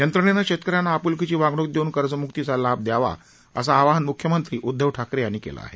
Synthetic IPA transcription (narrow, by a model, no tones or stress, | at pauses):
jənt̪ɾəɳenakɕet̪kəɾjanːaːpulkit͡ɕiːʋaɡɽok̚d̪euːnkəɾt͡səmukt̪it͡salab̚d̪jaʋa̰ | ə̰saːʋaɦənmukʰjəmənt̪ɾiːʔud̪ʱːəʋʈʰakɾeañikḛlʔa̰a̰ɦḛ